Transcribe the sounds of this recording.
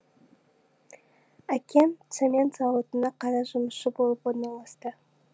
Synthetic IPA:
ækʲʰent̪semʲent̪zɑwot̪ənɑqʰɑɾɑʒʊməsʃəbo̞lˠəpwoɾnɑlˠɑst̪ə

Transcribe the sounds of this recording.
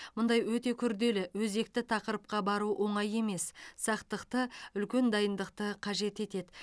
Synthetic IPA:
mʊnd̪ɑjwɵt̪e̞kʲʰʏɾd̪e̞lɪwɵze̞k̚t̪ɪt̪ʰɑqəɾəp̚qɑbɑɾuwʔo̞ɴɑje̞me̞ssɑqt̪əqt̪əʏlkʲe̞nd̪ɑjənd̪əqt̪əqʰɑʒe̞t̪e̞t̪e̞d̪ɪ

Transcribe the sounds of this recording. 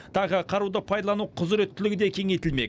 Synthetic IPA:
t̪ʰɑʁəqʰɑɾud̪əpʰɑjd̪ɑlˠɑnuqʰʊzɾe̞t̪ʰːʏlɪɡʲɪd̪e̞kʲʰe̞ŋejt̪ɪlme̞̰k

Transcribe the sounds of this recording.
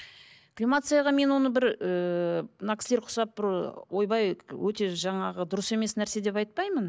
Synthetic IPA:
klʲimat̪sɨjɑʁɑme̞nwo̞nəbɪɾənakʲɪsle̞ɾqʰʊ̥sɑp̚bɪɾwo̞jbɑjwɵt̪e̞ʒɑɴɑʁəd̪ʊɾəse̞me̞snæɾse̞d̪e̞p̬ɑjt̪̚pɑjmən

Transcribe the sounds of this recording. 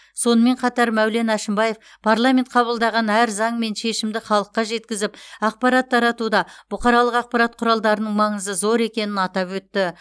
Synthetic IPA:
so̞nəme̞ɴqʰɑt̪ɑɾmæwle̞næʃɪmbɑje̞f | pʰaɾlˠamʲe̞nt̪̚qʰɑβəlˠd̪ɑʁɑnæɾzɑɴme̞nʃe̞ʃɪmd̪ɪχɑlˠəqːɑʒe̞t̪kʲɪzɪpɑq̚pɑɾɑt̪ʰːɑɾɑt̪ud̪ɑb̥ʊqɑɾɑlˠəqɑq̚pɑɾɑt̪̚qʰʊɾɑlˠd̪ɑɾənəɴmɑɴəzəzo̞ɾe̞kʲe̞nɪnɑt̪ɑpwɵt̪ːɪ

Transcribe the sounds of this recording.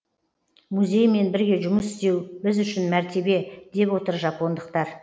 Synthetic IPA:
muzʲe̞jme̞nbɪɾɡʲe̞ʒʊməsɪ̥st̪e̞wbɪzʏʃɪnmæɾt̪e̞be̞d̪e̞pwo̞t̪əɾʒɑpo̞nd̪əq̚t̪ɑɾ

